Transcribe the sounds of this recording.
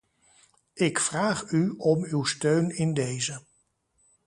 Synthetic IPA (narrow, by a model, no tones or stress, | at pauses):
ɪkfraːχyɔmywstøɥnɪndejzə